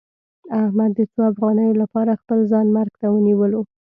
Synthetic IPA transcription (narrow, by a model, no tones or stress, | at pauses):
ahmad̪ːət͡soafɣɑnəjolapɑɾaxpəlzɑnmaɾɡt̪awəniwəlo